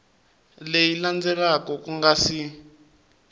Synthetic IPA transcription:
lejiland͡zɛrakɔkuŋɡasi

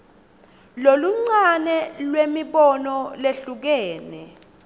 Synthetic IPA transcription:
loluŋ͡ǀanɛlwemiɓɔnɔleɬuk̬ɛːnɛ

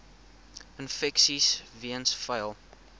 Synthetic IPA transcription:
ənfɛksisviənsfəjlˠ

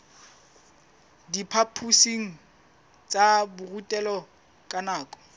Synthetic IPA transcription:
dipʰapʰusiŋ̩ | t͡sʼabʊrutʼɛlɔ | kʼanaːkʼɔ̥

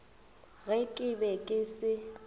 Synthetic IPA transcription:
ɣɛkʼɪbɛkʼɪsɪ

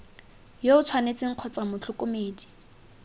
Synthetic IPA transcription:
joʊt͡sʰwanet͡sɪŋ̩q͡χʰɔt͡samʊt͡ɬʰʊkʼʊmeːdi

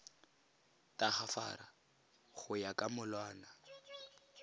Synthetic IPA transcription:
tʼaχafa̰ːɾa | χʊjakʼamʊlwaːna

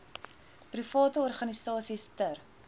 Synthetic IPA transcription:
prifɑːtəɔrχɐnisɑːsistər

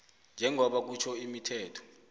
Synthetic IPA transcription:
nd͡ʒʱɛŋɔɓak̬ut͡ʃʰɔimitʰɛːtʰɔ̥

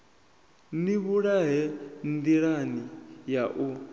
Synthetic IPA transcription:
niβuɺaɦɛnd̪iɺanijaʔu

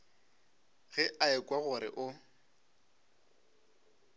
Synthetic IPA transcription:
ɣɛʔaɪkʼwaɣʊɾɪ̰ʔʊ

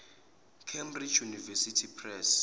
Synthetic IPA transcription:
kʰɛmbrit͡ʃʰjunivɛsitʰipʰrɛs

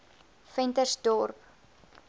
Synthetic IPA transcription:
fɛntərsdɔrp

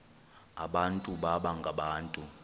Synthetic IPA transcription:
a̰ɓantʼuɓaɓaŋɡʱaɓaːntʼu

